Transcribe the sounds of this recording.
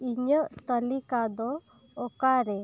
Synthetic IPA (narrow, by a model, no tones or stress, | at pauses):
iɲəʔt̪əlikad̪ɔ | ɔkaɾɛ